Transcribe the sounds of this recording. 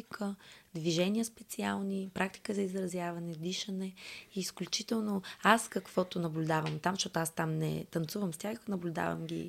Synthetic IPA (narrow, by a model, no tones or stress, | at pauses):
ikəd̪viʒɛniəspɛt̪sialˠnipɾak̚t̪i̥kəzɐizɾɐzjavɐnɛd̪iʃɐnɛiːsklʲut͡ʃit̪ɛlˠnoaskɐkv̥ɔt̪onɐblʲud̪avəmt̪amʃɔt̪ʊast̪amnɛ̰t̪ɐnt̪suvəmst̪ʲjaxknɐblʲʊd̪a̰və̰mɡʲḭ